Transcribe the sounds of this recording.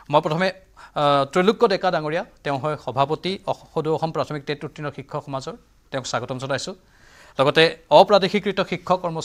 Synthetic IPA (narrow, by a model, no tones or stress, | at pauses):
mojpɹɔtʰɔmɛ | tɹoluɡːɔdɛkadaŋoɹijatɛʊ̃ɦɔjxɔbʱapotiɔxoduɔxɔmpɹatʰɔmik̚tetutːinɔxikʰːɔxɔmazɔɹ | tɛʊ̃ksaɡɔtɔmzɔlajsʊ̃ | lɔɡɔtɛɔpɹadixikɹitɔxikʰːɔkɔɹmɔs